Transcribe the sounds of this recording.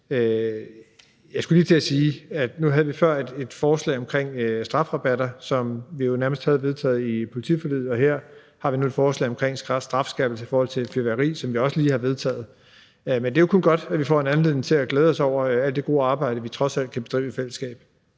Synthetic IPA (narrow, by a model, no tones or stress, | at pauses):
ø | jɑɪsɡ̥ulḭːt͡sʰe̝æsiːæd̥nuɦæð̞ˠəʋifɶɐ̰ed̥e̝d̥fɒːslɛ̰ɪɒ̽mkʰʁeŋ̰sd̥ʁɑ̈fʁɑ̈b̥æɾɐsɒ̽mʋijo̝næɐməsd̥hæð̞̩ˠʋeðˠt͡sʰɛ̰ːð̩ˠipʰo̝lit͡sʰḭfɒlið̩ˠɒ̽ɦeɐ̰ | hɑ̈ʋinued̥fɒːslɛ̰ɪɒmkʰʁeŋ̰ssd̥ʁɑ̈fsɡ̥ɛb̥l̩səi̥fɒːhɒ̽l̰t͡sʰe̝fyʋæʁḭːsɒ̽mʋiɒ̽səliːhɑ̈ʋe̝ð̞ˠt͡sʰɛ̰ːð̩ˠ | mend̥e̝jo̝kʰo̽nɡ̥ɒ̽d̥æʋifɒ̰ːe̝næn̩le̝ð̰ˠnŋ̩t͡sʰe̝æɡ̥lɛːð̞ˠɒ̽sɒʊ̰ɐæl̰d̥eɡ̥o̝ːɑ̈ːb̥ɑ̈ɪ̰ɾəʋit͡sʰʁɒ̽sæl̰d̥̚kʰæbe̝d̥ʁḭːʊifel̰əsɡ̥ɛ̰ːb̥